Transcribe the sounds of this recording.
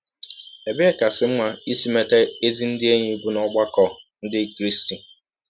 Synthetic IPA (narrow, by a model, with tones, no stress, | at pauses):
e˨bka˨sɪ˨m̩˦ŋʷa˦i˦si˦me˦te˦e˦zi˦n̩˦dɪ˦e˦ɲi˦˨ɡʷu˦nɔ˦ɡ͡ba˦kɔ˨n̩˦dɪ˦kɾi˦sti˨